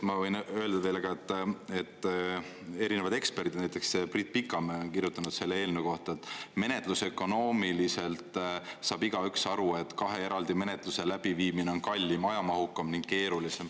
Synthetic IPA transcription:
mɑvɤjnø̞eld̪̥ɑve̞jlɑɡ̥ɑet̪ːˑe̞t̪ː | e̞ɾinevɑd̪e̞kspe̞rd̪id̪næjt̪ːˑe̞kseprit̪̚ːˑpikːˑɑmeonkirjut̪ːˑɑnud̪se̞lːee̞ːlneko̞ht̪ɑet̪ːˑme̞ne̞t̪ˑluse̞kːˑo̞no̞ːmilise̞lt̪ˑsɑːb̥iɡ̥ɑyksɑɾue̞t̪ːˑkɑɦe̞e̞ɾɑld̪̥ime̞ne̞t̪ˑluse̞læb̥iviːmineo̞nkɑlʲːimɑjɑmɑɦukːˑɑmniŋɡ̥ke̞ːɾulise̞m

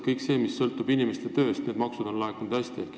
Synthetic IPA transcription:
kɤjkse̞ːmisːɤlt̪ˑub̥inimest̪et̪ø̞ːst̪ne̞ːd̪̚mɑksud̪̥o̞nlɑekːˑunud̪æsʲt̪iehk

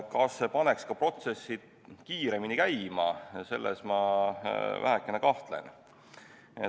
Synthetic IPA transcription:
kɑsːepɑne̞kskɑpro̞t̪se̞sːi̥ | kiːɾe̞minikæjmɑse̞̰lːesmɑ | væ̰ɦekˑːenekɑht̪le̞̰n | e

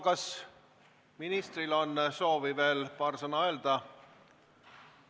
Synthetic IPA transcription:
kɑs | minist̪rilonːso̞ːvive̞ːlpɑːrsɤnɑe̞ld̪̥ɑ

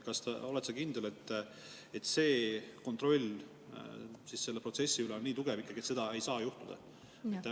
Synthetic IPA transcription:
kɑst̪ɑ̰o̞let̪sɑkind̪ele̞t̪ː | et̪se̞ːko̞nt̪ro̞lʲ | sisse̞lːprot̪se̞sːiyleoniːt̪uɡ̥evikˑːɑɡ̥iet̪se̞d̪ɑe̞jsɑːjuht̪ud̪̥ɑ̰ | mit̪ːæ

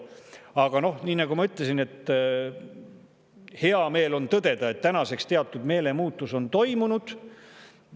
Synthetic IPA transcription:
ɑɡ̥ɑno̞hniːnɑɡ̥umɑyt̪ˑlesine̞t̪ːˑ | he̞ɑme̞ːlo̞nt̪ɤd̪̥e̞d̪̥ɑe̞t̪ːænɑse̞kst̪e̞ɑt̪ːˑud̪me̞ːle̞muːt̪ːˑuso̞nt̪o̞jmunud̪̥

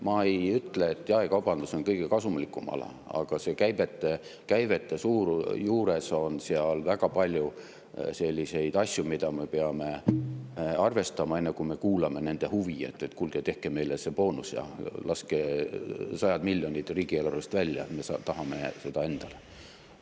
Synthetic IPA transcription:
mɑejyt̪ːˑle̞ːt̪ːˑjɑekɑwb̥ɑnd̪̥uso̞nkɤjɡ̥e̞kɑsumlikːˑumɑ̰lɑ̰ | ɑ̰ɡ̥ɑse̞kæjbe̞t̪ːˑekæjvet̪ːˑesuːɾjuːɾe̞so̞nseɑlvæɡ̥ɑpɑlʲju | se̞lʲːise̞jd̪̥ɑsʲjumid̪̥ɑme̞peɑme̞ | ɑrve̞st̪ɑmɑe̞nːekume̞kuːlɑme̞ne̞nd̪̥e̞huviḛt̪ˑːet̪kulɡ̥et̪e̞hkeme̞jlesepo̞ːnusjɑ̰lʔɑske | sɑjɑd̪milʲːjo̞nit̪ˑriːɡ̥ielurust̪vælʲːjɑ̰et̪me̞sɑt̪ɑɦɑme̞se̞d̪̥ɑe̞nd̪̥ɑle

